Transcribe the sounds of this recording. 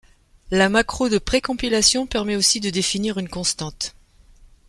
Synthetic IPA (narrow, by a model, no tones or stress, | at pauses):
lamakχod̪əpχekɔ̃pilasjɔ̃pɛʁmɛosid̪əd̪efiniʁynkɔ̃st̪ɑ̃t̪